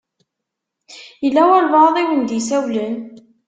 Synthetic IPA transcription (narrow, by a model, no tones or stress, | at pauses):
jəlːæwælvɑðˤiwənd̪jisæwlən